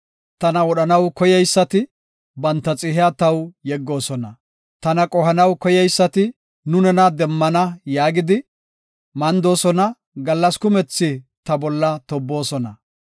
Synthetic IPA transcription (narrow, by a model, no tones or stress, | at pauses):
t̪ɐnɐɔɗɐnɐwkɔjɛjsːɐt̪ɪ | bɐnt̪ːɐt͡sʼɪhɪjat̪ɐwjɛɡːo̞ːsɔnɐ | t̪ɐnɐkʼɔhɐnɐwkɔjɛjsːɐt̪ɪ | nʊnɛnɐd̪ɛmːɐnɐjaːɡɪd̪ɪ | mɐnd̪o̞ːsɔnɐ | ɡɐlːɐskʊmɛt͡sːɪt̪ɐbɔlːɐt̪ɔbːo̞ːsɔnɐ